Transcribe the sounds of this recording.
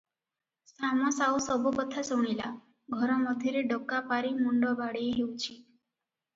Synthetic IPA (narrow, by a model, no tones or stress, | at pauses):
samɔsawsɔbɔbət̪ʰːasɔɽ̃ila | ɡʱɔɾɔməd̪ʱjeɾeɖəkːapaɾimuɳɖɔbaɽejɦewt͡ʃʰi